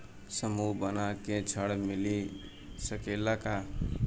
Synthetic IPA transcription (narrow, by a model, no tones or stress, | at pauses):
səmubənakẽt͡ʃʰəɽmili | səkelaka